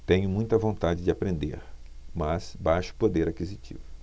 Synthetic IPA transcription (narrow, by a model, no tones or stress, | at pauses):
t̪ẽɲʊmũj̃t̪ɐvõnt̪ad͡ʒɪd͡ʒɪapɾẽnd̪ḛɾmɐsbajʃʊ̥pod̪eɾakizit͡ʃḭvʊ